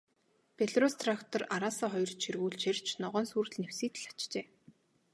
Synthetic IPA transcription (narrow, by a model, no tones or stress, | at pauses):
pʰeɮrost̪ʰrakt̪ʰɔraɾaːsaːχɔjɞ̆rt͡ɕʰirɣuːɮt͡ɕʰerʲt͡ɕʰnɔʁœːnsuːrɮnewsiːt̪ɮḁt͡ɕt͡ɕeː